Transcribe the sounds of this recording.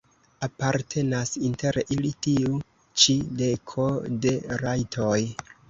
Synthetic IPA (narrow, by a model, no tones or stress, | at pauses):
apaɾtʰe̞nasinte̞ɾeʔilitiu | t͡ʃide̞kʰo̞de̞ɾajtʰoj